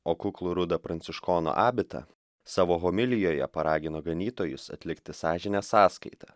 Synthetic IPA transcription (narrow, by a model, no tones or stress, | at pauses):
oːkʊklˠʊɾʊd̪ɐpɾɐnʲtsʲɪʃkoːno̰ʔɑːbʲɪt̪ɐ̰ | sɑːʋoːɦomʲɪlʲɪjoːjɛ̰pɐɾɑːɡʲɪnoːɡɐnʲiːt̪oːjʊsɐ̰t̪ʲlʲɪkt̪ʲɪsɑːʒʲɪnʲɛːsɑːskɐɪt̪ɐ